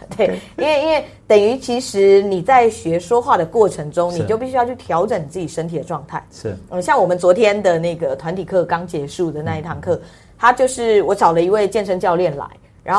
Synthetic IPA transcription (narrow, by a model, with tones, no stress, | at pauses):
t̪we˥˩ɪi˥nwe˥ɪi˥nwe˥˩ɪ | t̪ə˨˩ŋy˧˥t͡ɕʰi˧˥ʂɻ̩˧˥ni˨˩t͡sa˥˩ɪɕɥɛ˧˥ʂwɔ˥xwa˥˩d̪ə˩kwɔ˥˩ʈ͡ʂʰə˧˦˥ŋʈ͡ʂʊ˦˥ŋni˨t͡ɕjo˥˧ʊpi˥˩ɕy˥jɑ˥˧ʊt͡ɕʰy˥˩t̪ʰjɑ˧˥ʊʈ͡ʂə˨˩˦ni˨˩t͡sɹ̩˥˩t͡ɕi˨˩ʂə˥nt̪ʰi˨˩ə˦ʈ͡ʂwɑ˥˧ŋt̪ʰa˥˩ɪ˥˩ə˥˧ɕjɑ˥˩ŋwɔ˨˩mə˦nt͡swɔ˧˥t̪ʰjɛ˥nd̪ə˨na˥˩ɡə˩t̪ʰwa˧˦nt̪ʰi˨˩kʰɤ˥˩kɑ˥ŋt͡ɕjɛ˧˥ʂu˥˩d̪ə˩na˥˧i˥˩t̪ʰa˥˧ŋkʰɤ˥˩ | t̪ʰa˥t͡ɕjo˥˧ʊʂɻ̩˥˩wɔ˨˧˥ʈ͡ʂɑ˨˩ʊlə˦i˧˥we˥˧ɪt͡ɕjɛ˥˩nʂə˥ŋt͡ɕjɑ˥˧ʊljɛ˥˩nla̰˧˥˦ɪ | ɻa˧˥nxo˥˩